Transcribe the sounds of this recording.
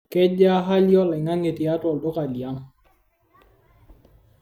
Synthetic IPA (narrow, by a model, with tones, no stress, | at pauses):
kɛ˦d͡ʒa˦ɦa˦ljɔ˦lɛ˨ŋa˦ŋe˨ti˨a˦tɔ˨ldɔ˦ka˨li˨a˦ŋ